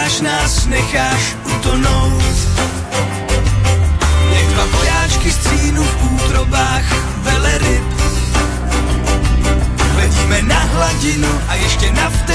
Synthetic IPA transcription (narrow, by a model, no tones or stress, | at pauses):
aʃnaːsnɛxaːʃʔut̪onowt̪ | jɛɡd̪vavojaːt͡ʃkɪst̪siːnufʔuːt̪ɾobaːx | vɛlɛɾɪp | vɛɟiːmɛnaɦlaɟɪnuʔajɛʃcɛnaft̪